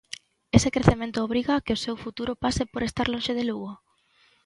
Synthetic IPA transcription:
esekɾeθemẽnt̪ʊoβ̞ɾiɣakɪosewfut̪uɾopasɪpoɾest̪aɾlõʃeð̞eluɣo

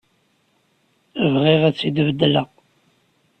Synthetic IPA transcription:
vʁiʁæt͡sːid̪vəd̪ːləʁ

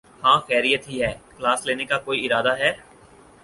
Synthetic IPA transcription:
hãːxɛːɾijət̪ɦiɦɛːklaːsleːnekakoːiɪɾaːd̪aɦɛː

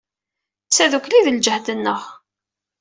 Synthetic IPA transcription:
t͡sːæðukliðəld͡ʒəhd̪ənːəʁ

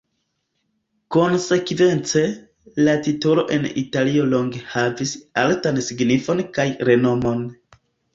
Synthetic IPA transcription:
ko̞nse̞kve̞nt͡se̞ | latito̞lo̞̰ʔe̞nḭtalio̞lo̞ŋɡe̞havisaltansiɡnifo̞nkajɾe̞no̞mo̞n

